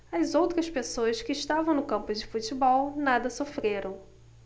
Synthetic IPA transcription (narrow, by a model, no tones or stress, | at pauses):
ɐzowt̪ɾɐspesoɐskɪːʃt̪avɐ̃w̃nʊkɐ̃mpʊd͡ʒɪfut͡ʃibɔwnad̪ɐsofɾeɾɐ̃w̃